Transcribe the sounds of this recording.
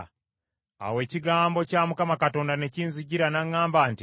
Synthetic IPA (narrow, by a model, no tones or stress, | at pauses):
a̰we̞ːciɡaːmbo̞caːmukamakato̞ːndane̞ciːnziɟiɾanaŋːaːmbaːnti